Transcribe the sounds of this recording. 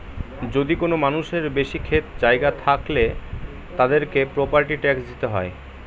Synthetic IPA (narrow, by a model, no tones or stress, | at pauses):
d͡ʑod̪ikonomanuʃeɾbeʃikʰet̪d͡ʑaeɡat̪ʰakle | t̪ad̪eɾkepɾopaɾʈiʈɛksd̪it̪eɦɔ̰e